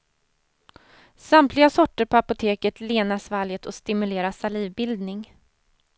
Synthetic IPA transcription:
samt̪ʰlɪɡasɔʈːəɾpʰɔapʊt̪ʰeːkət̪ʰleːnasvaljət̪ʰɔst̪ɪmɵleːɾasaliːvbɪld̪nɪŋ

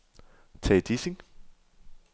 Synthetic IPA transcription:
t͡sʰɛd̥isiŋ

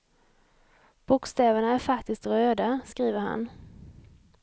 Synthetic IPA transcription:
b̥ʊkst̪ɛːvəɳaæɾfakt̪ɪst̪ɾøːd̪askɾiːvəɾha̰n

